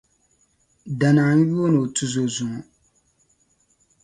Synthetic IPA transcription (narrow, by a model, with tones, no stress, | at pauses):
da˨na˨˦n˦ju˦o˦no˨tu˨zo˨zu˨ŋ˨